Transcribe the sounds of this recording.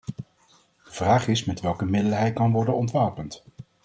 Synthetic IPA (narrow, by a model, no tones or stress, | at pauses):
d̥əv̥raːχɪsmɛtʋɛlˠkəmɪdəlɦɛjt̚kɑnʋɔɹdənɔntʋaːpənt